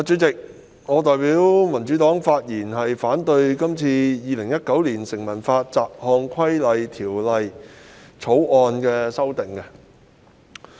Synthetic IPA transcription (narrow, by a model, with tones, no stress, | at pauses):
aː˨˥t͡ʃyː˨˥t͡sɪ˨k̚ | ŋɔː˨˧t̪ɔː˨jpiː˨˥wmɐ˨˩nt͡ʃyː˨˥t̪ɔː˨˥ŋfaː˧t̚jiː˨˩nɦɐ˨jfaː˨˥nt̪ɵ˧ɥkɐ˥mt͡sʰiː˧jiː˨˧lɪ˨˩ŋjɐ˥t̚kɐ˨˥wliː˨˩nsɪ˨˩ŋmɐ˨˩nfaː˧t̚t͡saː˨p̚hɔː˧ŋkʷʰɐ˥jlɐ˨jt̪ʰiː˨˩wlɐ˨j | t͡sʰo˨˥wɔː˧nkɛː˧sɐ˥wt̪ɪ˨˩ŋkɛ˧